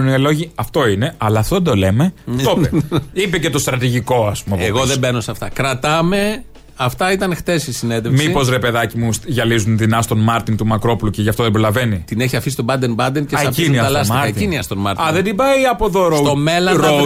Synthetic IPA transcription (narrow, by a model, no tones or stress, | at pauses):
nielo̞ʝiɐft̪o̞ine̞ɐlɐːft̪oðed̪o̞le̞me̞t̪oeipece̞t̪o̞st̪ɾɐt̪iʝiko̞ɐspumepeɣoðebeno̞sɐft̪ɐ̰kɾɐt̪ɐme̞ | ɐft̪ɐit̪ɐnxt̪e̞sisine̞nðemsiipo̞zɾe̞pe̞ðɐcimusʝɐlizunðinɐst̪o̞nmɐɾt̪int̪umɐkɾo̞puluceʝɐft̪o̞ðebɾo̞lɐve̞nit̪ineçiɐfisi̥t̪obɐd̪enbɐnd̪enceɐpinniɐlɐsikɐt̪iniɐst̪onmɐɾt̪ɐðed̪ibɐiɐpoðoɾst̪o̞me̞lɐɾo